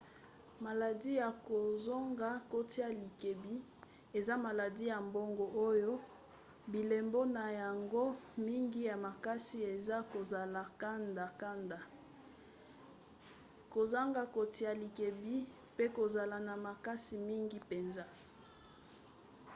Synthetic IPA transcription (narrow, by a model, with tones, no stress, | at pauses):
ma˨la˨di˦ja˨ko˨zo˦ŋɡa˨ko˦ti˦ja˨li˨ke˨bi˦ | e˨za˦ma˨la˨di˦ja˨mbo˦ŋɡo˨ʔo˦jo˦ | bi˨le˨mbo˦na˨ja˨ŋɡo˦mi˦ŋɡi˦ja˨ma˨ka˦si˦e˨za˦ko˨za˨la˨ka˦nda˨ka˦nda˨ | ko˨za˦ŋɡa˦ko˨ti˦ja˨li˨ke˨bi˦ | pe˦ko˨za˨la˨na˨ma˨ka˦si˨mi˦ŋɡi˦pe˨nza˦